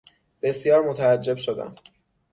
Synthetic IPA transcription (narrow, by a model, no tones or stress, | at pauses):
b̥e̞sjɒːɾmo̞t̪ʰææd͡ʒːe̞bʃod̪æ̰m